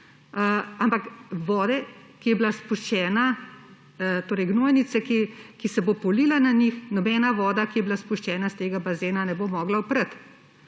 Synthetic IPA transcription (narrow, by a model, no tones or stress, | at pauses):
ampakʋɔːd̪ɛ | kijɛbilaspuʃt͡ʃɛːna | t̪oːɾəjɡnoːjnit̪sɛkikisɛbopɔliːlananixnɔbɛnaʋɔːd̪akijɛbilaspuʃt͡ʃɛːnast̪eːɡabazeːnanɛbomɔːɡlaupɾət̪